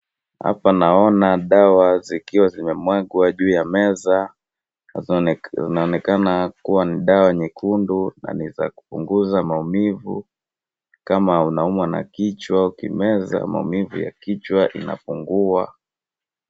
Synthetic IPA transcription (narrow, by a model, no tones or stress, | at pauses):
ha̰panaɔnaɗawazikiwazimɛmwaɡwaʄuːjamɛza | zinaɔnɛkanakuwaniɗawaɲikʰunduna̰niza̰kupuŋɡuzamaumivu | kamaunaumwana̰kit͡ʃwaukḭmɛza̰ma̰ṵmivuja̰kit͡ʃwaʔina̰puŋɡua̰